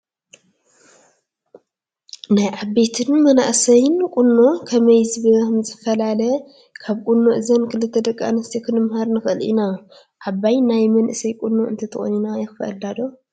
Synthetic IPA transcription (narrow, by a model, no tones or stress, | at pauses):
najʕabːe̞t̪ʰɨnmɐna̰ʔsɐjnkʼʊnːokʰɐmɐjzɨβɨmzɨfɐlalɐ | kʰaβkʼunːoʔɨzɐnkɨlɨt̪ʰːɐd̪ɐkʼːa̰nɐst̪ʰikʰɨnɨmhaɾnɨxʔɨlʔḭna | ʔaβːajnajmɐnʔɨsɐjkʼunːoʔɨ̰nt̪ʰɐt̪ʰɨxʼo̰ninajɪxfɐʔɐ̰lːad̪o